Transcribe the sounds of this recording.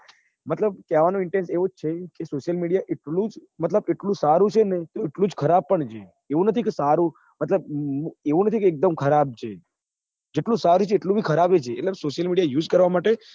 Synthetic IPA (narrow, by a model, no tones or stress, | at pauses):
mət̪ləb̚kaʋanoɪɳʈẽnseʋot͡ʃʰekesoʃəlmiɽijaʔeʈlũd͡ʒmət̪ləbeʈlũsaɾũt͡ʃʰenet̪oeʈlũd͡ʒkʰəɾab̚pəɳt͡ʃʰe | eʋũnət̪ʰikesaɾũ | mət̪ləb̚eʋũnət̪ʰikeːk̚d̪əmkʰəɾab̚t͡ʃʰe | d͡ʒeʈlũsaɾut͡ʃʰeːʈlũbʱikʰəɾabet͡ʃʰeːʈlesoʃjəlmiɽijajuːd͡ʒkəɾʋamaʈe